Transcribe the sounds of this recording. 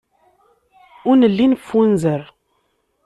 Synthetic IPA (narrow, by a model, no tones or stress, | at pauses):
ʊnəlːinfːunzəɾ